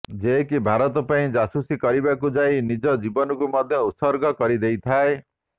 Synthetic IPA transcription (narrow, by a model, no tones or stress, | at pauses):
d͡ʒekibʱaɾɔt̪ɔpaĩd͡ʒasusikɔɾibakud͡ʒajnid͡ʒɔd͡ʒibɔnɔkumɔd̪ʱjɔut̪sɔɾɡɔkɔɾid̪ejt̪ʰae